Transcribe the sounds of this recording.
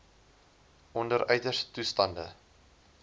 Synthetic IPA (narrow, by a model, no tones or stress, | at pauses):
ʔɔndəɾœɥtərstustɐndə̰